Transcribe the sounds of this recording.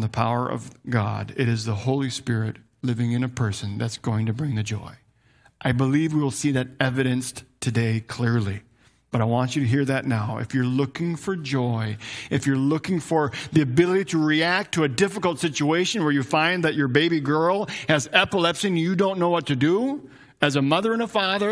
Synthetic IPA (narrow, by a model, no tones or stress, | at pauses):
n̩ðəpʰaʊə̰˞ʔʌ̰vɡɑ̰ɾɪɾɨzðəhoʊlˠispɪɹɪt̚ | lɪvɪ̃ŋɨ̃ñɨpʰɜ˞sɨ̃nðɨtsɡ̥oʊɪ̃ŋtɨbɹɪ̃ŋðɨd͡ʒɔ̰ɪ | ʔaɪbəlivwiwl̩ˠsiðɨɾɛvɨɾɨ̃nstʰɨdeɪkʰl̥ɪɹlˠi | b̥ʌɾaɪwɑ̃nt͡ʃɨɾɨɦiɹðɨtⁿnaʊʔɨ̰fjə˞lʊkɪ̃ŋfə˞d͡ʒɔɪɨfjə˞lʊkɪ̃ŋfə˞ðiɨbɪlˠəɾiɾɨɹiæk̚tʰɨɨdɪfəkl̩ˠtsɪt͡ʃueɪʃɨ̃nwə˞jɨfãɪ̃nðɨt͡ʃə˞beɪbiɡɜ˞lˠɨzɛpəlɛpsĩnjɨdõʊ̃nːoʊwʌtʰɨdə | ɨzəmʌðə˞ɨ̃nəfɑðə˞